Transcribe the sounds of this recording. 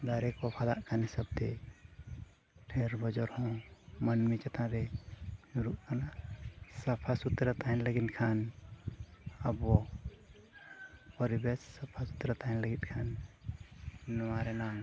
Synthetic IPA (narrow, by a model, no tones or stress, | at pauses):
d̪aɾɛkɔpʰad̪aʔkʰanisəb̚t̪ɛ | pʰɛɾbɔd͡ʒɔɾhɔ̃mənmit͡ʃat̪ãɾɛd͡ʒuɾuʔkanasapʰasut̪ɾat̪aɦɛnləɡinkʰan | abɔ | pɔɾibɛsːapʰasut̪ɾat̪aɦɛnləɡit̪̚ˀkʰan | nɔwaɾɛnam